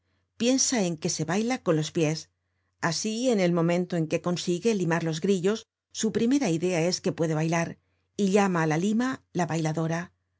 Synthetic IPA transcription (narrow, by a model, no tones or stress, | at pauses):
pje̞nsae̞ŋke̞se̞βajlako̞nlo̞spje̞s | asie̞ne̞lmo̞mẽ̞nt̪o̞e̞ŋke̞ko̞nsiɣe̞limaɾlo̞zɣɾiʎo̞sː | upɾime̞ɾaiðe̞ae̞ske̞pwe̞ðe̞βajlaɾ | iʎamaːlalimalaβajlaðo̞ɾa